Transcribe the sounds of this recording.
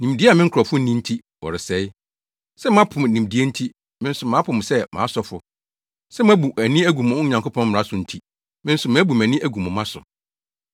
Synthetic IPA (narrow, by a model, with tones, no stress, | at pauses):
nĩ˨mdi˦a˨mɪ̃˦ŋ̩˦kʰɾɔ˨fʊ˦nĩ˦n̩˦tʰi˦ | wɔ̰˨ɾɪ˨sɛ˦ɪ˦ | sɛ˦m˦ã˦pʰʊ˨m˨nĩ˨m˨di˦e˦n̩˦tʰi˦ | mɪ̃˦n̩˦sʊ˨mã˨˦pʰʊ̃˨m˨sɛ˦mʔã̰˨˦sɔ˦fʊ̰˨ | sɛ˦m˦æ̃˦bu˨æ˨nĩ˦æ˦ɡu˨mʊ̃˨˦ɲã˨ŋkʰʊ˦pʰɔ̃˦m̩˨ɾa˦sʊ̃˨n̩˦tʰi˦ | mɪ̃˦n̩˦sʊ˨m̃˨æ˦bu˨m˨æ̃˨nɪ̃˦ʔæ˦ɡu˨mʊ̃˨mã˦sʊ̰˨